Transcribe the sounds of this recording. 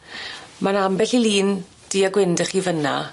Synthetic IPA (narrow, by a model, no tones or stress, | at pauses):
manambɛɬiliːn | d̥iːaɡwɪndəχiːvəna̰